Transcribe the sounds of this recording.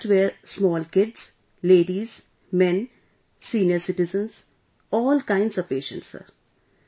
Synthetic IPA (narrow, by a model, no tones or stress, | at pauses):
ʈʋeːɾsmɔːlkɪɖz̥ | leːɖiːz | mɛ̃n | siːnɪjəɾsɪʈɪzə̃nz̥ | ɔːlkãɪ̃ɳɖsɔʋpeːʃə̰̃ɳʈsə̰ɾ